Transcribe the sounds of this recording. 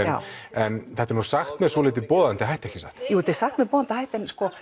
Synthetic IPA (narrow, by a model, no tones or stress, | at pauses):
ɛn̰ɛnθɛht̪ɛɾnu̥saxt̪mɛðsvɔlɪːt̪̬ɪpɔːðant̪ɪɦajht̪ɛhcɪsa̰ht̪jut̪ɪsaxt̪mɛðpoːðant̪ɪhajht̪ɛnskɔ